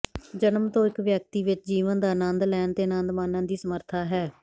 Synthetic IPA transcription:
d͡ʒənəmt̪õːɪkʋjək̚t̪iːʋɪt͡ʃd͡ʒiːʋənd̪aːnãnd̪lɛːnt̪eːnãnd̪maːnãːd̪iːsəməɾt̪ʰaːɦɛː

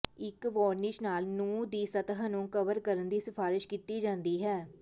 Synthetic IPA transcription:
ɪkʋɔːɾnɪʃnaːlnũːd̪iːsət̪əɦnũːkəʋəɾkəɾənd̪iːsɪpʰaːɾɪʃkiːt̪iːd͡ʒãːnd̪iːɦɛː

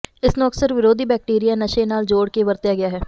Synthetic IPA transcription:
ɪsnuːksəɾʋɪɾoːd̪ʱiːbɛːk̚ʈiːɾijaːnəʃeːnaːld͡ʒoːɽkeʋəɾt̪jaːɡɪjaːɦɛː

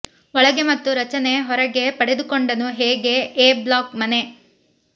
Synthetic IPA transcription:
ɔɭɐɡe̞mɐt̪ːuɾɐt͡ʃɐne̞ɦɔɾɐɡe̞pɐɽed̪ukoɳɖɐnuɦeːɡe̞eːblaːkmɐne̞

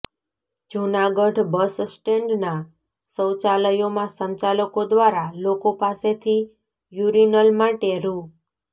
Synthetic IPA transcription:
d͡ʒunaɡəɖbəssʈeɳɖna | səwt͡ʃaləjomãsə̃ɲt͡ʃaləkod̪ʋaɾalokopaset̪ʰi | juɾinəlmaʈeɾũ

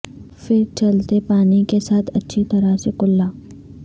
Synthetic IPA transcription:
fɪɾt͡ʃɐlt̪epaːnikesaːt̪ʰɐtːʃʰit̪ɐɾasekʊlːaː

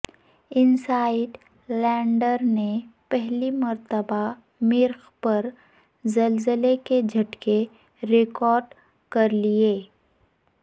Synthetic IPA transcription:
ɪnsaːɪɖ | lɛ̃ːɳɖəɾnepɛɦlimɐɾt̪əba | mɪɾxpɐɾ | zɐlzəleked͡ʒʱɐʈke | ɾɪkɔːɾɖ | kɐɾlieː

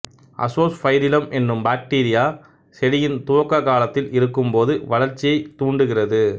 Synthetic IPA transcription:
ʔɐ̰soːsfɐjɾɪlɐmɛnːɯmbaːk̚ʈiːɾɪjaː | sɛɽɪjɪnt̪uʋɐkːɐkaːlɐt̪ːɪlɪɾɯkːɯmpoːðɯʋɐɭɐɾt͡ʃːɪjɐɪt̪uːɳɖɯɣɪrɐðɯ

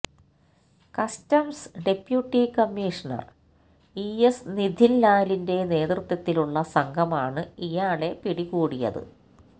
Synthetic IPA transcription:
kɐstɐmsɖe̞pjuʈːikɐmːiːʂɐɳɐ̰r | iesnid̪ʱinlaːlinde̞ne̞ːt̪rɨt̪ːɐt̪ːiluɭːɐsɐŋɡʱɐmaːɳɨijaːɭe̞piɽiɣuːɽijɐ̰ðɨ̰

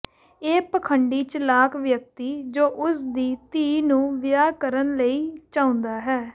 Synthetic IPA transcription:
eːpəkʰəɳɖiːt͡ʃlaːkʋjək̚t̪iːd͡ʒoːʔʊsd̪iːt̪iːnũːʋɪjaːkəɾənləiːt͡ʃaːʊ̃nd̪aːɦɛː

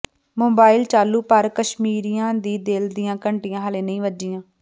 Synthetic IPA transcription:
moːbaːɪlt͡ʃaːlːuːpəɾkəʃmiːɾijãːd̪iːd̪eːld̪ɪjãːkəɳʈijãːɦəlẽːnəĩːʋəd͡ʒijãː

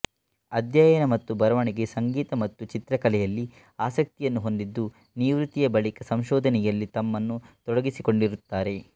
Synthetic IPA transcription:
ɐd̪ʱjaːjɐnɐmɐt̪ːubɐɾɐʋɐɳiɡe̞sɐŋɡiːt̪ɐmɐt̪ːut͡ʃit̪ɾɐkɐlɛjɐlːi | aːsɐk̚t̪ijɐnːuɦo̞nd̪id̪ːu | niʋɾut̪ijɐbɐɭikɐsɐmʃɔːd̪ʱɐnɛjɐlːit̪ɐmːɐnːut̪ɔɽɐɡisiko̞ɳɖiɾut̪ːaːɾe̞

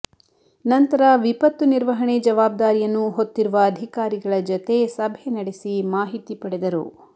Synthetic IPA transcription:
nɐnt̪ɐɾɐʋipɐt̪ːuniɾʋɐɦɐɳed͡ʒɐʋaːb̚d̪aːɾijɐnːuɦot̪ːiɾuʋɐːd̪ʱikaːɾiɡɐɭɐd͡ʒot̪e̞sɐbʱenɐɽesimaːɦit̪ipɐɽed̪ɐɾṵ

